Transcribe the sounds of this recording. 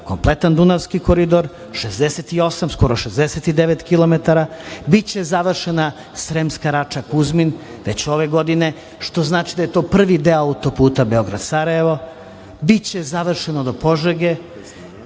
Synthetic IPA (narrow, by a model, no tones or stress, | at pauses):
ko̞mplˠet̪and̪unaʋskikoɾid̪o̞ɾ | ʃezd̪eset̪io̞samsko̞ɾo̞ʃezd̪eset̪id̪eʋet̪kilˠo̞met̪aɾabit͡ɕe̞zaʋr̩ʃena | sɾemskaɾat͡ʂakuzmin | ʋe̞t͡ɕo̞ʋe̞ɡo̞d̪ine̞ | ʃt̪o̞znaːt͡ʃid̪ajet̪o̞ːpr̩ʋid̪eaut̪o̞puːt̪abeo̞ɡɾad̪saɾaje̞ʋo̞ | bit͡ɕe̞zaʋr̩ʃenod̪o̞po̞ʒeɡe